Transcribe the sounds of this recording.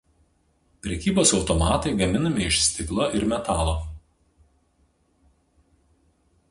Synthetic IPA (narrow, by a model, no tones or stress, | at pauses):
pʲɾʲɛkʲiːboːsɒʊt̪ɔmɑːt̪ɐɪɡɐmʲɪnɐmʲɪɪʃsʲt̪ʲɪklˠoʔɪɾmʲɛt̪ɑːlˠoː